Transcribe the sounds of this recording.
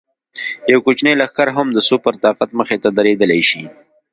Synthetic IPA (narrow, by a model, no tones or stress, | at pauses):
jawkut͡ʃnejlaxkaɾɦamd̪əsupəɾt̪ɑqat̪̚məxet̪ad̪aɾed̪əlajʃi